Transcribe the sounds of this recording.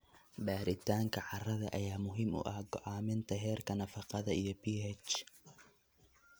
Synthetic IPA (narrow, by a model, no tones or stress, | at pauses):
ɖaːɾɪt̪ʰaːŋkʰɐʕɑrɐðɐʔɐjaːmʊɦiːmʊ̰ʔɐhɡɔʕɑːmɪnt̪ʰɐɦɛːrkʰɐnɐfɑqɑðɐijɔbiːɦɛt͡ʃ